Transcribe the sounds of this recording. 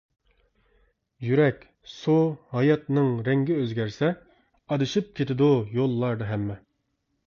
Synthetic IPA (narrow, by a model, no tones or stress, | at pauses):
jyɾɛkʲ | sohɑjɑt̪nɨŋɾɛŋɡʲɪøzɡʲɛɾsɛ | ɑd̪ɨʃip̚kʲʰet̪ɪd̪ujolˠːɑɾd̪ɨɦɛmːɛ